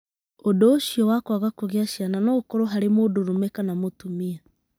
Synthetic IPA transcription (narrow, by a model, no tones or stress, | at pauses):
odoːʃiɔwakwaɣakoɣeaʃjananɔkɔɾoɦaɾemoːdoɾomɛkanamotumia